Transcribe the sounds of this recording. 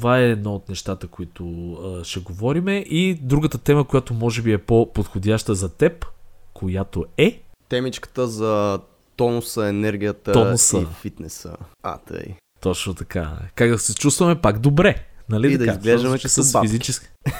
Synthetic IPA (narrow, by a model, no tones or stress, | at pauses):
t̪ovaɛːd̪naot̪nɛʃt̪at̪əkoit̪ʊʃɛɡovɔɾimɛʔid̪ɾuɡət̪ət̪ɛməkojat̪omɔʒɛbiɛpopot̪xod̪ʲaʃt̪əzɐt̪ɛpkʰojat̪oɛt̪ɛmit͡ʃkə̥t̪əzɐ | t̪ɔnosəɛnɛɾɡʲijət̪əɔosəfit̪nɛsə̰a̰t̪ə̰j | t̪ɔt͡ʃnot̪ɐka̰kaɡd̪ɐsɛt͡ʃust̪vɐmɛpaɡd̪obɾɛnɐliid̪ɐizɡlɛʒd̪ɐmmɛt͡ʃsɐsfizit͡ʃɛski̥